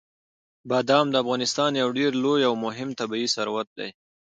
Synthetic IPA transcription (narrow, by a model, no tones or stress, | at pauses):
bɑd̪ɑmd̪əafɣɑnɪst̪ɑnjawɖeɾlojawmʊɦɪmt̪abiisaɾwat̪̚d̪a̰j